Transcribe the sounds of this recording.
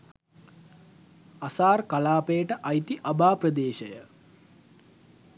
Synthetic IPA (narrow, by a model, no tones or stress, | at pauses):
asaːrkalaːpejəʈəʔajt̪iʔabaːprəd̪eːʃəjə